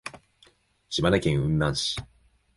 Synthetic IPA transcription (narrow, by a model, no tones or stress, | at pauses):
ɕimanakẽɰ̃ɯ̟̃nːãnɕi̥